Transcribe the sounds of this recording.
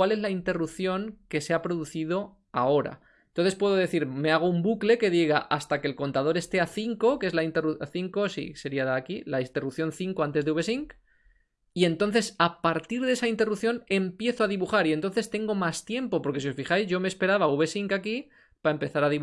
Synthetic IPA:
wale̞zlaint̪e̞rupθjo̞ŋke̞seapɾo̞ðuθiðo̞ | ao̞ɾa̰ | nt̪o̞nθe̞spwe̞ðo̞ðe̞θiɾme̞aɣ̞o̞umbukle̞ke̞ðiɣaʔast̪ake̞lko̞nt̪að̞o̞ɾe̞st̪e̞aθiŋko̞kee̞zlaint̪e̞ruθiŋko̞sḭse̞ɾiaðaakilaint̪e̞rupθjo̞nθiŋko̞ant̪e̞zðeuβe̞siŋk | ie̞nt̪o̞nθe̞sapaɾt̪iɾðe̞saint̪e̞rupθjo̞ne̞mpje̞θoaðiβuxaɾient̪o̞nθe̞st̪e̞ŋɡo̞mast̪je̞mpo̞po̞ɾke̞sio̞sfixajzʝo̞meːspe̞ɾaβauβe̞siŋkaki | paempe̞θaɾaðiβ

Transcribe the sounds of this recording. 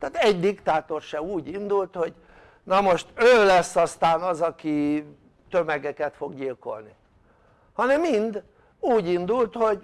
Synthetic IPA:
t̪aːt̪ɛɟd̪ikt̪aːt̪o̞rʃɛuːɟind̪ult̪ho̞ɟ | nɒmoʃt̪øːlɛsːɒst̪aːnɒzɒki | t̪ømɛɡɛkɛt̪fo̞ɡɟilko̞̰lni | hɒnɛmːind̪ | uːɟind̪ult̪ho̞ɟ

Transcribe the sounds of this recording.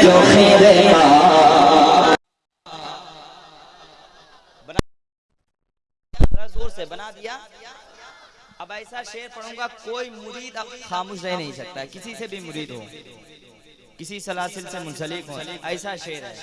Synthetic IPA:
d͡ʒoːsĩd̪eɦiaː | bɐna | ɾɐsuːɾsebɐnad̪ijaː | ɐbɐɪsaʃeːɾpɐɽ̤ũːɡakoːimʊɾiːd̪ɐb̚xaːmuːʃnɐɦinɐɦĩsɐk̚t̪aɛkɪsisebʱimʊɾiːd̪ɦo̰ː | kɪsisɐlaːsɪlsemʊ̃nsɐlɪkɦoɐːsaʃeːɾɦɛ

